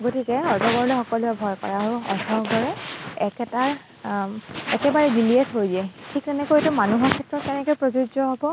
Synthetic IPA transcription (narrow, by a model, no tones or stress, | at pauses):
ɡotikɛɔɹtɔɡɔɹlɛxɔkɔluɛbʱɔjkɔ̰ɹaɦʊɔ̰tʰɔɡɔɹɛɛkɛtaɹ | ɛkɛbaɹɛbiliɛtɦojdiɛtʰiktɛnɛkojetumanuɦɔɹkʰɛtɹɔt̚kɛnɛkojpɹozud͡ʒɔɦobɔ